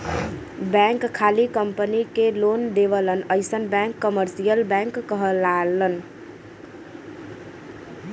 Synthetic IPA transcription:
bɛ̃ŋkkʰːalikəmpənikelond̪eʋələnəɪsənbɛ̃ŋkːəməɾsijəlbɛ̃ŋkːəɦəlalən

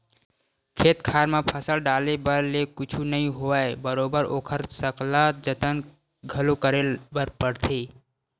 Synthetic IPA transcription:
kʰeːt̪kʰaːɾmãpʰəsəlɖaːlebəɾlekʊt͡ʃʰunɐɦĩɦoaebəɾoːbəɾo̰ːkʰəɾsəklaːd͡ʒət̪ən | ɡʱɐlokəɾebəɾpəɽt̪ʰeː

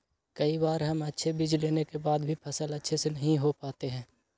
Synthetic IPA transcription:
kɐibaːɾɦɐmɐtːʃʰebid͡ʒleːnekebaːd̪bʱipʰɐsəlɐtːʃʰesenɐɦĩɦopaːt̪eɦɛ̃ː

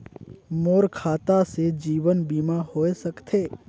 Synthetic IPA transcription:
moːɾkʰaːt̪ased͡ʒiːwənbiːmahoːesɐkt̪ʰeː

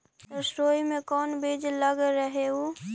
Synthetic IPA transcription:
t̪ɐsɾoːimẽkɔːnbeːd͡ʒləɡɾəɦeɦoː

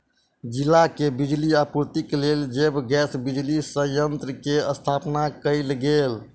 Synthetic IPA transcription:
d͡ʒilakebid͡ʒliapuɾt̪ikleld͡ʒebɡɛsbid͡ʒlisəjənt̪ɾəkeəst̪ʰapnakəɪlɡel

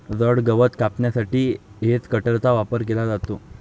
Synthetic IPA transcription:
d͡zəɽɡəʋət̪kapɳjasaʈiːɦet͡skəʈəɾt̪aʋapəɾk̬elad͡zat̪o

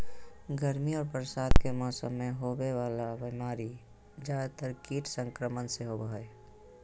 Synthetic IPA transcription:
ɡəɾmiɔːɾpɾəsaːd̪kemɔːsəmːẽɦobewaːlabimaːɾi | d͡ʒaːt̪əɾkiːʈ̪sə̃ŋkɾəmənseɦobəɦəe

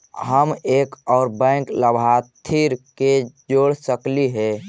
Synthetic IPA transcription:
ɦəmeːkɔːɾbɛ̃kləbʱat̪ʰiɾked͡ʒoɽsəkliɦɛ

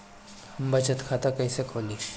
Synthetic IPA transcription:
hɐmbɐt͡ʃət̪kʰaːt̪akɐĩsekʰoliʃ

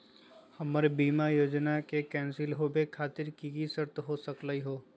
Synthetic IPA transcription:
hɐməɾbiːmajoːd͡ʒnakekɛ̃ːnsɪlɦobʱekʰaːt̪ɪɾkiɡisəɾt̪ɦosəkləiɦoː

